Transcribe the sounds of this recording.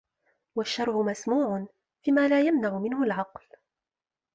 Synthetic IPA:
waʃːɑɾˤʔʊmasmuːʕʊn | fiːmaːlaːjamnaʕʊmɪnhʊlʕɑql

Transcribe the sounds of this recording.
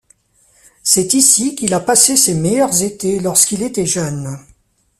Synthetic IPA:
sɛt̪isikilapasesemɛjœʁzet̪elɔʁskilet̪ɛʒœn

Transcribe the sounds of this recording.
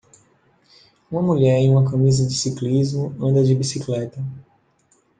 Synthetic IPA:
ũmɐmuʎɛɾẽj̃ũmɐkɐmizɐd͡ʒɪsiklizmʊɐ̃nd̪ɐd͡ʒɪbisiklɛt̪ɐ

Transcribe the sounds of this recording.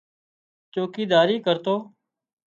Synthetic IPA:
t͡ʃoːkiːd̪aːɾiːkəɾt̪oː

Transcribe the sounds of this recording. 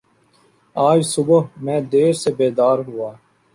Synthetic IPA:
aːd͡ʒsʊbɦmɛ̃ːd̪eːɾseːbeːd̪aːɾɦʊaː

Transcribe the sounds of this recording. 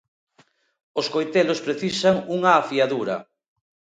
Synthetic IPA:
oskojt̪elospɾeθisaŋuŋɐːfiaðuɾɐ̰

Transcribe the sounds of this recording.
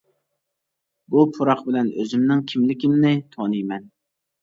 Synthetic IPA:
bupʰʊɾɑqbɪlɛnøzɪmnɪŋkʲʰimlɪkʲimnɪt̪ʰonɨjmɛn

